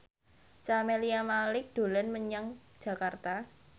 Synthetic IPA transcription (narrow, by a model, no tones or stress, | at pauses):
t͡ʃameliamalɪk̚d̪̥o̤lɛnməɲaŋd̥ʒ̥ä̤kart̪a